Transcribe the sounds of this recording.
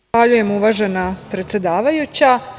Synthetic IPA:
aʎuje̞muʋaːʒe̞napɾe̞t̪se̞d̪aːʋajut͡ɕa

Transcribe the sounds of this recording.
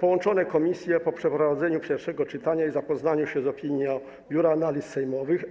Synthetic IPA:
pɔwɔnt͡ʂɔnɛkɔmʲisʲjɛpɔpʂɛpɾɔvad̪zɛɲupʲjɛɾfʂɛɡɔt͡ʂɘt̪aɲaizapɔznaɲuɕɛzɔpʲiɲjɔ̃ | bʲjuɾanalʲisːɛjmɔvɘx

